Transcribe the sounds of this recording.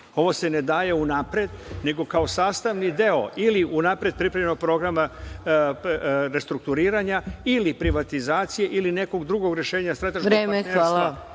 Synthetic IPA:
o̞ʋo̞se̞ne̞d̪aːje̞unapɾed̪ne̞ɡo̞kao̞saːst̪aʋnid̪e̞o̞̰iliʔunapɾed̪̚pɾipɾavʎenoɡ̚pɾo̞ɡɾama | ɾe̞st̪ɾuk̚t̪uɾiːɾaɲailipɾiʋat̪izaːt̪sije̞ʔiline̞ko̞ɡd̪ɾuɡo̞ɡɾje̞ʃe̞ːɲasɾet̪ːaʃɾeːmeeala

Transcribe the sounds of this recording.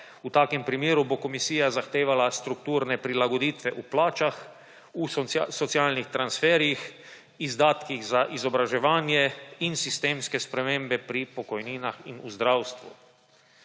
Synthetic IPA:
ut̪aːkɛmpɾimjeːɾubokɔmisiːjazaxt̪eːʋalast̪ɾukt̪uːɾnɛpɾilaɡɔd̪iːt̪ʋɛʔuplaːt͡ʃax | usɔt̪sjaːlnixt̪ɾansfɛːɾjix | izd̪aːt̪kiɣzaʔizɔbɾaʒɛʋaːnjɛinsist̪eːmskɛspɾɛmẽmbɛpɾipɔkɔjniːnaxinuzd̪ɾawst̪ʋṵ

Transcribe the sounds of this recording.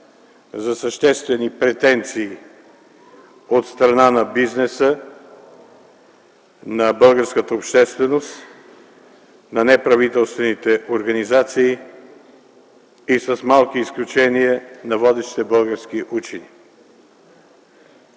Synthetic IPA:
zɐsəʃt̪ɛst̪vɛnipɾɛt̪ɛnt̪siː | ot̪st̪ɾɐnanɐbiznɛsə | nɐbɤlˠɡəɾskət̪əopʃt̪ɛst̪vɛnost̪ | nɐnɛpɾɐvit̪ɛlˠst̪vɛnit̪ɛʔoɾɡɐnizat̪siː | isəsmalˠkiːsklʲut͡ʃɛniənɐvɔd̪ɛʃt̪i̥t̪ɛbɤlˠɡəɾskiʔut͡ʃɛni

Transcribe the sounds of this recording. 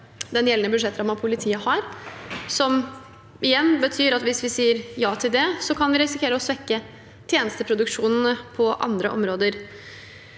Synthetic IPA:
d̪ɛnjɛlːənəbʉd̪ʂɛt̪ːɾɑmɑnpʰʊlɪt̪ʰiːəhɑɾsɔm | ɪjɛnːbət̪ʰyːɾɑt̪ʋɪsʋɪsiːəɾjɑːt̪ʰɪld̪ɛsɔkʰɑnʋɪɾɛsɪkʰeːɾəɔsʋɛkːə | t̪ʰjeːnəst̪əpʰɾʊd̪ʉkʂuːnn̩əpʰɔʔɑ̰nd̪ɾə̰ʔɔ̰mɾoːd̪əɾ

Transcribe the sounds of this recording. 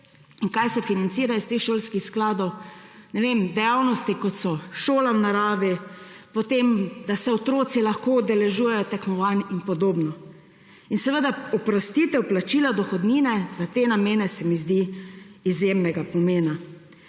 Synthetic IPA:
inkajsɛfinant̪siːɾaist̪eːxʃoːlskixsklaːd̪ɔwnɛʋemd̪ɛjawnɔst̪ikɔt̪sɔʃoːlawnaɾaːʋi | pɔt̪emd̪asɛɔt̪ɾoːt̪silaxkoɔd̪ɛlɛʒuːjɛjɔt̪ɛkmɔʋaninpɔd̪oːbnɔ | insɛʋəd̪aɔpɾɔst̪it̪ɛwplat͡ʃiːlad̪ɔxɔd̪ninɛzat̪eːnameːnɛsɛmizd̪iizjemnɛɡapɔmeːna

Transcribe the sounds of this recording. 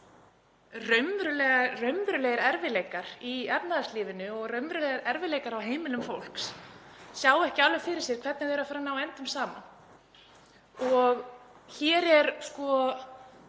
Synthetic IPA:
rœɥmvɾʏlɛːɣarœɥmvɾʏleːɣɪɾɛɾvɪleːjkaɾiɛpnaðasliːvɪnʏɔɣrœɥmvɾʏlɛjɾɛɾvɪleːjkaɾawɦeːjmɪlʏmfowl̥kssjaːwɛhcɪaːlʏfɪɾɪɾ̥sjɛɾ̥kʰvɛɾt̪nɪðeːɾafaːɾanawɛnt̪ʏmsaːma̰ | ɔɣ | çɛːɾɛɾskɔ

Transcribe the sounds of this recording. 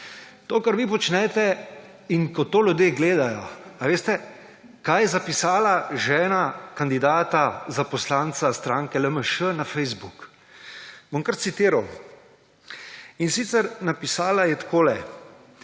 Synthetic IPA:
t̪oːkaɾʋipɔt͡ʃnɛt̪ɛ | inkɔt̪oːljud̪jeːɡleːd̪ajɔaʋeːst̪ɛ | kaːjɛzapisaːlaʒɛːnakand̪id̪aːt̪azapɔslaːnt̪sast̪ɾaːŋkɛləməʃənafɛjzbuk | boŋkəɾt̪sit̪iːɾaw | insit̪sɛɾnapisaːlajɛt̪koːlɛ

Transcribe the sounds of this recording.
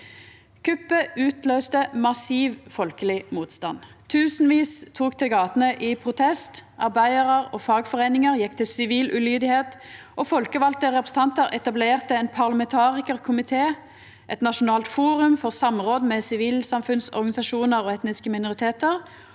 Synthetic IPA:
kʰʉpːəʔʉːt̪løːst̪əmɑsiːʋfɔlkəlɪmuːt̪st̪ɑ̰n | t̪ʰʉːsnʋiːst̪ʰuːkt̪ɪɡɑːt̪ənəʔɪpʰʁʊt̪ʰɛst̪ʔɑʁbæɪəʁəʁoːfɑːɡfɔʁeɪnɪŋəʁjɛkːt̪ʰɪlsɪʋiːlʔʉlyːd̪ɪheːt̪ | ʔoːfɔlkəʋɑlt̪əʁɛpʁɛsn̩t̪ɑnt̪əʁʔɛt̪ɑbleːʁt̪əɛnpʰɑʁlɑmɛnt̪ʰɑːʁɪkəʁkʰʊmɪt̪ʰeː | ʔɛt̪nɑʃʊnɑːlt̪fuːʁʉmfɔʁsɑmʁoːd̪mɛsɪʋiːlsɑmfʉnsɔ̰ʁɡɑnɪsɑʃuːnəʁoːɛt̪nɪskəmɪnʊʁɪt̪ʰeːt̪əʁ

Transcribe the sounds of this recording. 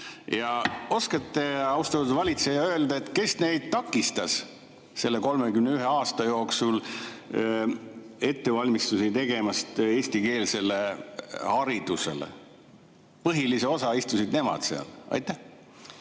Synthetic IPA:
jɑo̞skɑt̪ːeɑwst̪ɑt̪ːud̪vɑlʲit̪se̞jɑø̞eld̪ɑet̪ːˑke̞sne̞jd̪̥̚t̪ɑkːˑist̪ɑs | se̞lːe̞ko̞lmekymne̞yɦe̞ɑːst̪ɑjo̞ːksul | e̞t̪ːe̞vɑlʲmist̪usit̪e̞ɡe̞mɑst̪e̞ːsʲt̪ike̞ːlse̞lːe̞hɑɾid̪̥use̞̰lḛ | pɤɦilise̞o̞sɑist̪usid̪ne̞mɑ̰d̪̥seɑ̰lɑ̰jt̪ːˑæh

